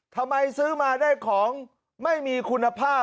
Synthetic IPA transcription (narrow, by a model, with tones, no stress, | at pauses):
t̪ʰa˧mːa˧jsɯː˦˥maː˧daː˥˩jkʰɔː˩˦ŋ | ma˥˩jmiː˧kʰu˧nːa˧pʰaː˥˩